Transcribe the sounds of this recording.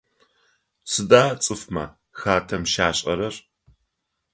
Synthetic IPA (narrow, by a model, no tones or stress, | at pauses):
sɨdaːt͡sʼɨfmɐ̰ | xaːtʰɐmʃaːɕʼɐ̰ɾɐr